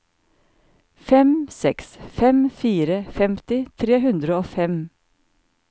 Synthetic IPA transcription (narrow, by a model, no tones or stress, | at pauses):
fɛmsɛksfɛmfiːɾəfɛmt̪ɪt̪ʰɾeːɦʉnd̪ɾəoːfɛm